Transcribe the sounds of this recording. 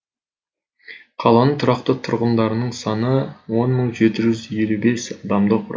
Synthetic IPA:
qʰɑlˠɑnəɴt̪ʰʊɾɑqt̪ət̪ʰʊɾʁənd̪ɑɾənəɴsɑnəwo̞nməɴʒe̞t̪ɪʒʏzje̞lube̞sɑd̪ɑmd̪əqʰʊɾ̰

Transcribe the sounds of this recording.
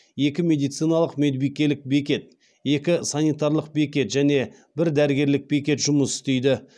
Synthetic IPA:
je̞kʲɪmʲe̞d̪ijt̪sɨjnɑlˠəqmed̪ɪbijkʲe̞lɪk̚be̞k̬ʲe̞t̪̚ | je̞kʲɪsanijt̪aɾlˠəq̚be̞kʲe̞t̪ʒæne̞ | bɪɾd̪æɾɪɡʲe̞ɾlɪk̚be̞kʲe̞t̪ʒʊməsɪ̥st̪e̞jd̪ɪ

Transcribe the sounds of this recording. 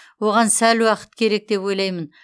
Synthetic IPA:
wo̞ʁɑnsælwɑqə̥t̪̚kʲʰe̞ɾe̞k̚d̪e̞pwo̞jlˠɑjmən

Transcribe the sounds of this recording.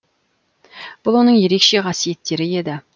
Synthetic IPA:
b̥ʊlˠwo̞nəɴje̞ɾe̞kʃe̞ʁɑsije̞t̪ːe̞ɾɪe̞d̪ɪ

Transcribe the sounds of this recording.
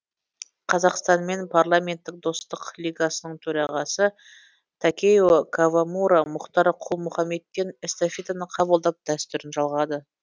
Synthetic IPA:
qʰɑzɑqst̪ɑnme̞npʰaɾlˠamʲe̞nt̪ːɪk̚d̪o̞st̪əqlˠijɡasənəɴt̪ʰɵɾɑʁɑsə | t̪ʰakʲejokʰavamuɾamʊqt̪ɑɾqʰulˠmʊχɑme̞t̪ːe̞nest̪afʲit̪anəqʰɑβəlˠd̪ɑp̚d̪̥æst̪ʏɾɪnʒɑlˠʁɑd̪ə

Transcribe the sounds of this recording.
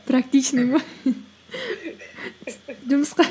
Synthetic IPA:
pɾak̚t̪it͡ʃnɨmo | ʒʊməsqɑ

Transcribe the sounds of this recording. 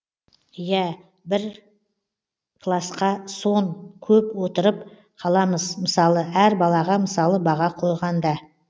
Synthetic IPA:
jæ | bɪɾ | kʰlˠasqɑso̞ɴkʲʰɵpwo̞t̪əɾəp | qʰɑlˠɑməzməsɑlˠəæɾbɑlˠɑʁɑməsɑlˠəbɑʁɑqʰo̞jʁɑnd̪ɑ

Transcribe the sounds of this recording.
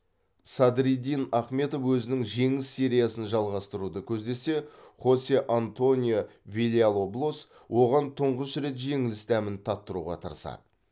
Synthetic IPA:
sɑd̪ɾid̪ijnɑχme̞t̪o̞fwɵzɪnɪŋʒe̞ŋɪsːe̞ɾʲijasənʒɑlˠʁɑst̪əɾud̪əkʲʰɵzd̪e̞se̞χo̞sʲeʔant̪o̞nʲijovʲilʲialˠoblˠos | wʔo̞ʁɑnt̪ʰʊɴʁəsɾe̞t̪ʒe̞ŋɪlɪst̪æmɪnt̪ʰɑt̪ːəɾṵʁɑ̰t̪ʰə̰ɾəsɑ̰d̪ə

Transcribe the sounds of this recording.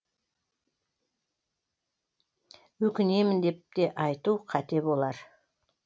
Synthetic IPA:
wɵkʲɪne̞mɪnd̪e̞p̚t̪e̞ʔɑjt̪uqʰɑt̪e̞bo̞lˠɑɾ

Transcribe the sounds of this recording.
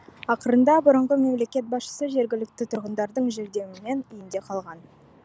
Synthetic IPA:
ɑqəɾənd̪ɑbʊɾəɴʁəme̞mle̞kʲe̞t̪̚bɑsʃə̥səʒe̞ɾɡʲɪlɪkt̪ɪt̪ʰʊɾʁənd̪ɑɾd̪əɴʒeɾd̪e̞wɪne̞nijɪnd̪e̞qʰɑlˠʁɑn

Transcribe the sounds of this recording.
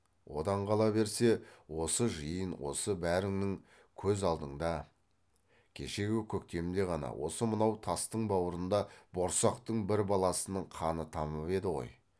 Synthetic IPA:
wo̞d̪ɑɴqʰɑlˠɑbe̞ɾse̞wo̞səʒəjənwo̞̰səbæɾɪŋnɪŋ | kʲʰɵzɑlˠd̪əɴd̪ɑ | kʲʰe̞̰ʃe̞ɡʲɪkʲʰɵk̚t̪e̞md̪e̞ʁɑnɑ̰wʔo̞səmənɑwt̪ʰɑst̪əɴbɑwəɾənd̪ɑbo̞ɾsɑqt̪əɴbɪɾbɑlˠɑsənəɴqʰɑnət̪ʰɑməpe̞d̪ɪʁo̞̰j

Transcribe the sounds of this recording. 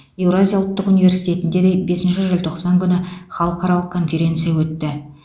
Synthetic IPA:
e̞wɾazʲijaʊlˠt̪ːəqunijvʲe̞ɾsijt̪ʰe̞t̪ɪnd̪e̞d̪e̞jbe̞sɪnʃɪʒɪlt̪ʰo̞qsɑŋkʲʰʏnɪχɑlˠəqɑɾɑlˠəq̚kʰo̞nfʲe̞ɾʲe̞nt̪sɨijawɵt̪ːɪ

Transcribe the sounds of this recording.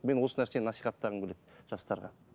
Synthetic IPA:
me̞nwo̞sənæɾsenɑsijχɑt̪ːɑʁəmkʲʰʏlet̪ʒ̥ɑst̪ɑɾʁɑ̰

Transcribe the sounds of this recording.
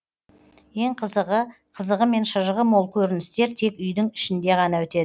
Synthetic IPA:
je̞ɴqʰəzəʁə | qʰəzəʁəme̞nʃəʒəʁəmo̞lˠkʲʰɵɾɪnɪst̪e̞ɾt̪ʰe̞kʏjd̪ɪŋɪ̥ʃɪnd̪e̞ʁɑnɑwɵt̪e̞d̪ɪ

